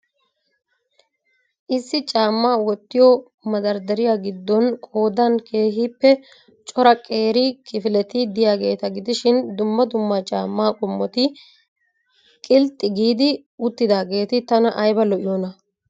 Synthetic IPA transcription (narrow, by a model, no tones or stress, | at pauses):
ʔɪsːɪt͡ʃʼaːmːaːwɔt̪ːɪjɔ | mɐd̪ɐɾd̪ɐɾɪjaɡɪd̪ːɔnkʼo̞ːd̪ɐnkʰe̞ːɦiːpːɛ | t͡ʃʼɔɾɐkʼe̞ːɾɪkɪfɪlɛt̪ɪd̪ɪjaːɡe̞ːt̪ɐɡɪd̪ɪʃɪnd̪ʊmːɐd̪ʊmːat͡ʃʼa̰ːmːaːkʼʊmːɔt̪ɪ | kʼɪlt̪ʼːɪɡiːd̪ɪ | ʊt̪ːɪd̪aːɡe̞ːt̪ɪt̪ɐnɐʔɐjbɐlɔʔɪjɔnɐ